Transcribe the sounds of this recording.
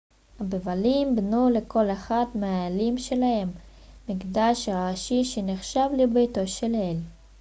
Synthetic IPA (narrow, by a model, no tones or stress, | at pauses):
habevalimbnuleko̞leχat̪meaelimʃelahe̞mː | iɡd̪aʃaaʃiʃeniχʃavlibejt̪o̞ʃelel